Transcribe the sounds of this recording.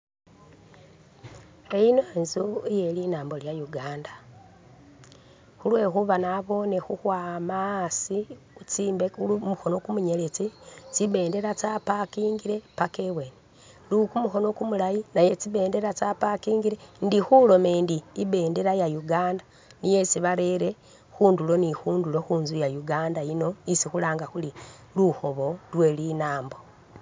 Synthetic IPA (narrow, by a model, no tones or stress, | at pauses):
ejinoenzujelinaːmboljajuɡaːnda | xulwe̞ːxuβanaβo̞ne̞xuhwaːmasi | ut͡siːmbeumuxo̞no̞kumuɲelet͡sit͡siβe̞ːnde̞ɾat͡sapakiːŋɡiɾe̞pakeweːne | lukumuxo̞no̞kumulajinajet͡siβe̞ːnde̞ɾat͡sapakiːŋɡiɾe̞ndixulo̞mendiːβe̞ːnde̞ɾajajuɡaːnda | nije̞siβaɾeɾe | xuːndulo̞nixuːndulo̞xuːnzujajuɡaːndaino̞isixulaːŋɡaxuli | luxo̞βo̞lwe̞linaːmbo̞